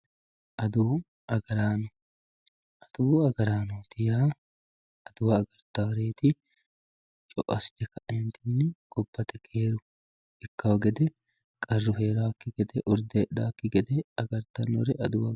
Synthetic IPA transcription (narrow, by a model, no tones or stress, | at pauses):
ʔɐd̪uː | ɐɡɐɾaːnɔ | ɐd̪̥uːɐɡɐɾaːnoːt̪ɪjaː | ɐd̪̥ʊwɐːɡɐɾt̪ːɐwɾe̞ːt̪ɪ | t͡ʃʼɔʔɐsd̪ɛkɐʔɛnt̪ɪnːɪɡ̥ɔbːɐt̪ɛkʰeːɾʊ | ɪkːɐwɐɡɛd̪ɛ | kʼɐrːʊɦe̞ːɾakːɪɡɛd̪ɛʔʊɾd̪eːd̪aːkːɪɡɛd̪ɛɐɡɐɾt̪ɐnːɔ̰ɾɛʔɐd̪ʊwɐ